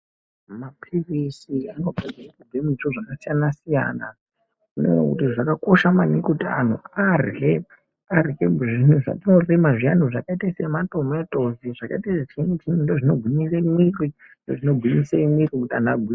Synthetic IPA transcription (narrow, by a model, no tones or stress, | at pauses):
mapʰirisiano̞ɡʱad͡zirakuɡemit͡ʃuʐakasijanasija̰na̰ | unḛwḛkṵtiʐakakoʃamanikutia̰n̤ṵarɦe | arkeʐin̤uʐa̰tino̞rimaʐian̤uʐakaitasemato̞metʼoziʐakaitaset͡ʃʰintʰinindoʐino̞ɡʱwimisemwiri | ndoʐino̞ɡʱwiɲisemwirikutianaɡʱwi